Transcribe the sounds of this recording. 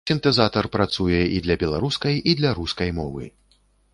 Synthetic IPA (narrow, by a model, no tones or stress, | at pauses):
sʲint̪ɛzat̪ɐrpɾat̪sujɛid̪lʲɐbʲɛlˠaɾuskɐjid̪lʲɐɾuskɐjmɔvɨ̰